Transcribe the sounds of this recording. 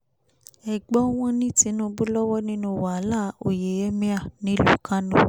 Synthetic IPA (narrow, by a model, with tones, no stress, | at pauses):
ɛ˨ɡ͡bɔ˦w̃ɔ̃˦nĩ˦ti˨˦nũ˦bu˦lɔ˦wɔ˦nĩ˦nũ˧˦wa˨˦la˦o˨je˨ɛ˦mĩ˦a˦˨nĩ˨˦lu˦kʰã˦nũ˦